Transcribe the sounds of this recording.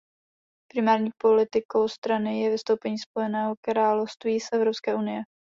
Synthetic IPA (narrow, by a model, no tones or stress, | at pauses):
pɾɪmaːɾɲiːpolɪt̪ɪko̞wst̪ɾanɪjɛvɪst̪owpɛɲiːsp̚o̞jɛnɛːɦo̞kɾaːlofst̪viːsʔɛvɾopskɛːʔunɪjɛ